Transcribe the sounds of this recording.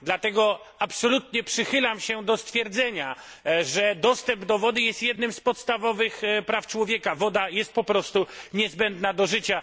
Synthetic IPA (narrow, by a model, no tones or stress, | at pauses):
d̪lat̪ɛɡɔ | apsɔlut̪ɲɛpʂɘxɘlamɕɛd̪ɔst̪fʲjɛɾd̪zɛɲa | ʐɛd̪ɔst̪ɛmbd̪ɔvɔd̪ɘjɛst̪jɛd̪nɘmspɔt̪st̪avɔvɘxpɾaft͡ʂwɔvʲjɛkavɔd̪ajɛst̪̚pɔpɾɔst̪uɲɛzbɛnd̪nad̪ɔʐɘt͡ɕa